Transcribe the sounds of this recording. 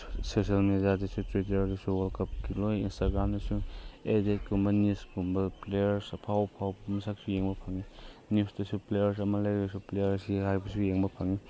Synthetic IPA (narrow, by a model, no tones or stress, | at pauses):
sesialmedijadɐsutɾit̬eɾdɐsuwalkɐp̚kilojinstaɡɾamdɐsuedet̚kumɐnjuskumbɐplejɐɾspʰawpʰawbmɐsak̚sujeŋbɐpʰaŋinjusdɐsuplejɐɾs̬ɐmɐlajɡɐsuplejɐɾsiɦajbɐsujeŋbɐpʰaŋi